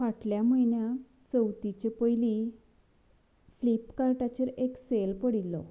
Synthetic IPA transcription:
ʋaʈljaməjɳja | t͡səwt̪it͡ɕepəjli | flipkaɾʈat͡ɕeɾekselpəɽilːɔ̰

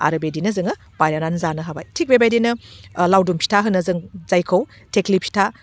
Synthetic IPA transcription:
a̰ɾɯbedinɐzɯŋɐ | pajɾananzanɐɦaba̰jtʰik̚bebajdinɐlawdumpʰi̥tʰaɦɯnːɐzɯŋz̥ajkʰɐw | teklipʰi̥tʰa

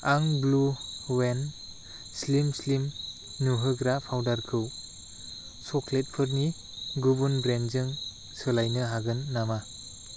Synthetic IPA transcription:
aŋbluwen | slimslim | nuɦɯɡɾapʰawdaɾkʰɯw | sɔklet̚pʰɯɾni | ɡubunbɾenzɯŋ | sɯlajnɯɦaɡɯnːama

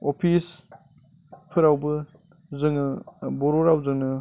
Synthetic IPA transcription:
opʰis | pʰɯɾawbɯ | zɯŋɯboɾoɾawzɯŋnɯ

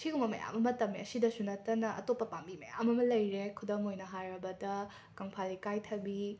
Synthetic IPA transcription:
sʰiɡumɐmɐ̰ja̰mɐmɐtɐmːiɐsidɐsunɐtːɐnɐʔɐ̰topːɐpambimɐja̰mɐmɐlɐjɾekʰudɐmojnɐɦajɾɐbɐdɐ | kɐŋpʰalikajtʰɐbi

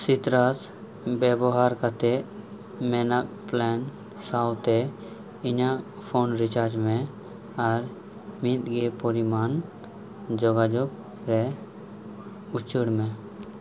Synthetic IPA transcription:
sit̪ɾas | bɛbɔɦaɾkat̪ɛ | mɛnak̚ | plɛn | sawt̪ɛ | iɲa | pʰonɾit͡ʃaɾd͡ʒmɛ̃ | aɾ | mit̪ɡepɔɾiman | d͡ʒɔɡad͡ʒɔk̚ | ɾɛ | ut͡ʃəɽmɛ̃

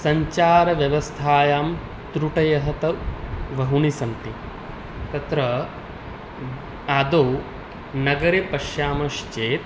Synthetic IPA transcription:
sɐɲt͡ʃaːɾɐʋjɐʋɐst̪ʰaːjaːm | t̪ɾuʈɐjɐɦɐt̪ɐʋɐɦuɳisɐnt̪i | t̪ɐt̪ɾɐ | aːd̪ow | nɐɡɐɾepɐʃjaːmɐʃt͡ʃeːt̪̚

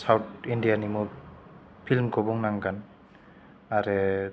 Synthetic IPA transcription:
sawt̚ʰindijanimɔ | pʰilmkʰɔbuŋnaŋɡan | aɾɛ

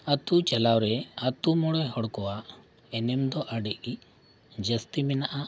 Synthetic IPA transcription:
ət̪ut͡ʃɛlawɾɛət̪umɔɽɛɦɔɽkɔwaʔ | ɛnɛmd̪ɔʔəɖɛʔi | d͡ʒəst̪imɛnaʔa

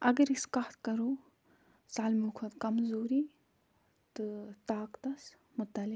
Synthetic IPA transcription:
ɐɡɐɾiskaːt̪kɐɾoː | saːlmukʰɐt̪kɐmzoːɾi | t̪ɨt̪aːkt̪ɐs | mʊt̪ɐli

